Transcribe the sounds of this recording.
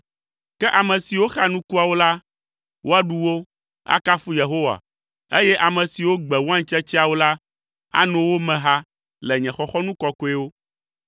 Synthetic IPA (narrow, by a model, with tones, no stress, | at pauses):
kɛ˦ʔa˨mɛ̃˨si˨wo˦xa˨nũ˦ku˦a˨wo˦la˦ | wʔo˦a˦ɖu˦wo˦ | a̰˦ka˦fu˦je˨ɦo˦wa̰˨ | e˦jɛ˦ʔa˨mɛ̃˨si˨wo˦ɡ͡bɛ˨wo˦ã˦ɲ˦t͡ʃɛ˦t͡ʃi˦a˨wo˦la˦ | a̰˦nɔ̃˨wo˦mɛ̃˨ɦa˦ | lɛ˨ɲɛ̃˨xɔ˦xɔ˦nũ˦kɔ˦kɔ˦ɛ˦wo˦